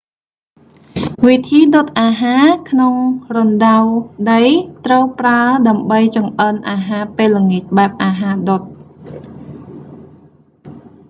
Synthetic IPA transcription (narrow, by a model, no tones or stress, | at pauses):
ʋit̪ʰiːɗot̪̚ʔaːɦaːkʰnoŋronɗawɗəjt̪rəwpraəɗaəmɓəjt͡ɕɑŋʔənʔaːɦaːpeːlːəŋic̪̚ɓaɛp̚ʔaːɦaːɗot̪̚